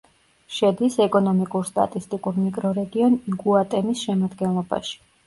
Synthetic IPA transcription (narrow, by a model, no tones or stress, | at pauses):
ʃɛd̪isɛkʼɔnɔmikʼuɾst̪ʼa̰t̪ʼist̪ʼikʼuɾmikʼɾɔɾɛɡiɔnɡuat̪ʼɛmisʃɛmad̪ɡɛnlˠɔba̰ʃi̥